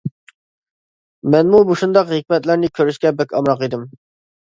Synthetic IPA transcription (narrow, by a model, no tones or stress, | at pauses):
mɛnmubuʃund̪ɑqɦikʲmɛt̪lɪɾnɪkʲʰøɾyʃkʲɛbɛkʲɑmɾɑqid̪ɪm